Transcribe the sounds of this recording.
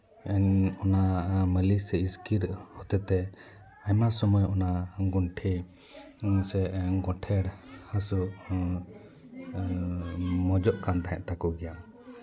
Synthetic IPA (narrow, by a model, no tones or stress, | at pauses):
ɛnɔnaməlisɛiskiɾhɔt̪ɛt̪ɛ | ajmasɔmɔjɔnaɡuɳʈʰɛ | sɛʔɡɔʈʰɛɽhəsu | mɔd͡ʒɔʔkant̪aɦɛ̃ʔt̪akɔɡɛja